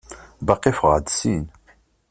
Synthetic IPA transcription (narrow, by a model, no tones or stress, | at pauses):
bɑqːifʁə̰d̪sin